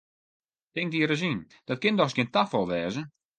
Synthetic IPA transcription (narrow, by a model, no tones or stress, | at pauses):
tɪŋdiəɾəzin | d̥ɔt̚kɪndɔxsɡjɪntafɔlˠʋɛːzə